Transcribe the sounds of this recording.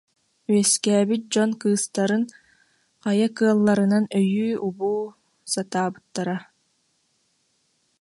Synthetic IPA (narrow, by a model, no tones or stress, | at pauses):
yɛskɛːbyt̪̚d͡ʑɔnkɯːst̪aɾɯn | qajakɯɐlˠːaɾɯnanœjyːubuː | sat̪aːbɯt̪ːaɾa